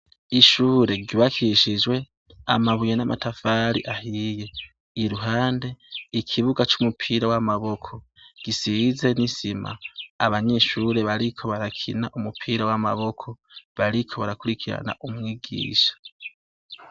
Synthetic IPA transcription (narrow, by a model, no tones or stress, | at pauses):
iʃuːɾe̞ɟiβakʰiʃid͡ʒwe̞ | amaβujenamʔatʰafaːɾḭʔahiːje̞ | iɾuɦaːnde̞ikʰiβuɡat͡ʃumupʰiːɾawamaβo̞kʰo̞ | ɡ̥isize̞nisima̰ːβaɲe̞ʃuːɾe̞βaɾikʰo̞βaɾakʰḭnaʔumupʰiːɾawama̰βo̞kʰo̞βaɾikʰo̞βaɾakuɾikʰiɾa̰na̰ʔumŋiːɡḭːʃḁ